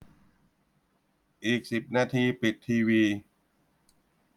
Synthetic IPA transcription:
ʔiː˨˩k̚si˨˩p̚naː˧t̪ʰiː˧pi˨˩t̪ʰːiː˧wiː˧

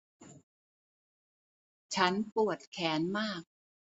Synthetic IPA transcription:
t͡ɕʰa˦˥npu˨˩ət̪̚kʰɛː˩˦nmaː˥˩k̚

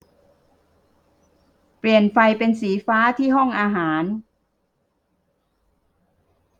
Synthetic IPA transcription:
pli˨˩ənfa˧jpe˧nsiː˩˦faː˦˥t̪ʰiː˥˩ɦɔ˥˩ŋʔaː˧ɦaː˩˦n

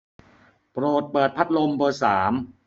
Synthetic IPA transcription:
pɾoː˨˩t̪̚pɤː˨˩t̪̚pʰa˦˥t̪̚lo˧mbɤː˧saː˩˦m

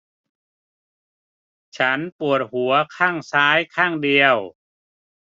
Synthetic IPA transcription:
t͡ɕʰa˦˥npu˨˩ət̪̚hu˩˦ɐkʰaː˥˩ŋsaː˦˥jkʰaː˥˩ŋdi˧əw

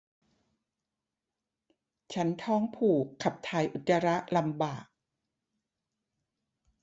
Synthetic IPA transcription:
t͡ɕʰa˦˥nt̪ʰɔː˥˩ŋpʰuː˨˩kʰːa˨˩p̚t̪ʰaː˧jʔu˨˩t̪ːa˧ɾa˦˥ʔla˧mbaː˨˩k̚

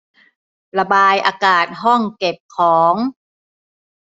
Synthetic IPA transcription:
la˧baː˧jʔaː˧kaː˨˩t̪̚ɦɔ˥˩ŋke˨˩p̚kʰɔː˩˦ŋ

